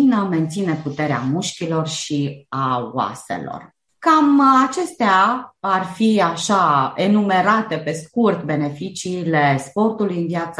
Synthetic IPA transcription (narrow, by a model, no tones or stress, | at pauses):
nəme̞nt̪sine̞put̪e̞ɾea̰muʃkʲilo̞rʃiawa̰sḛlo̞̰r | kamat͡ʃe̞st̪eaarfiaʃaenume̞ɾat̪e̞pe̞skurt̪be̞ne̞fit͡ʃiːlespo̞rt̪ulujɨnvjat̪sə